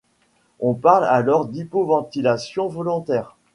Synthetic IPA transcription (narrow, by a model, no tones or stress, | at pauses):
ɔ̃paʁlalɔʁd̪ipovɑ̃t̪ilasjɔ̃vɔlɔ̃t̪ɛːʁ